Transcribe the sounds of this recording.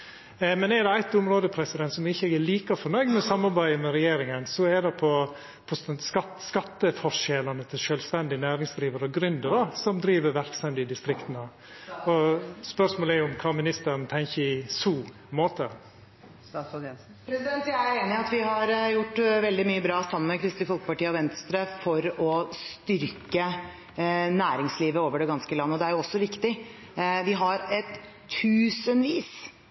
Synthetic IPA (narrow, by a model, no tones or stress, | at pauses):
mɛnɛɾd̪ɛæɪt̪ʊmɾoːd̪əpʰɾɛsɪd̪ɛnt̪sɔmɪçːəɛɡɛliːkɑfɔnœʏd̪mɛɔsɑmːɑɾbæɪəmɛɾɛjeːɾɪŋənsɔɛd̪ɛpʰɔ | pʰɔsnskɑ | skɑt̪ːəfɔʂɛlɑnət̪ʰɪlʃœlst̪ɛnd̪ɪənæːɾɪŋsd̪ɾiːʋɑɾəɔɡɾʉnd̪əɾdɑsɔmd̪ɾiːʋəɾʋæɾkst̪ɛmd̪ɪd̪ɪst̪ɾɪkt̪ənə | ɔspœʂmoːlɛɾjʊʊmkʰɑːmɪnɪst̪əɾnt̪ʰɛŋçəɪsuː | moːt̪ə | sɡɛ | pʰɾɛsɪd̪ɛnt̪jæɪæeːnɪɑt̪ʋɪɦɑɾjʊʈːʋɛld̪ɪmyːəbɾɑːsɑmːənmɛkʰɾɪst̪ɪfɔlkəpɑʈiːɔʋɛnst̪ɾəfɔɾɔst̪ʏɾkə | næːɾɪŋsliːʋəoːʋəɖɛɡɑnskəlɑnːəɔd̪ɛæɾjʊɔsːɔʋɪkt̪ɪ | ʋɪɦɑɾɛt̪ʰː | ʉːsənʋiːs